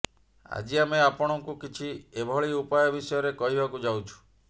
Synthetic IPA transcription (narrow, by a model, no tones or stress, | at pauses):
a̰d͡ʒiameapɔɽ̃ɔŋkukit͡ʃʰiebʱɔɭiupajɔbisɔjɔɾekɔɦibakud͡ʒawt͡ʃʰu̥